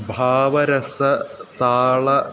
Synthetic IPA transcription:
bʱaːʋɐɾɐsɐt̪aːɭɐ

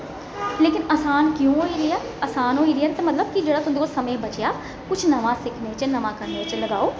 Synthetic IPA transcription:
leːkɪnəːsaːnkjõːɦoːiːɾɪjaː | əːsaːnɦoːiːɾijaːt̪emət̪ləb̚kid͡ʒeːɽaːt̪ʊ̃d̪ekolsəmẽːbət͡ʃjaː | kʊt͡ʃʰnəʋãːsɪkʰnet͡ʃənɐʋãːkəɾnet͡ʃləɡaːoː

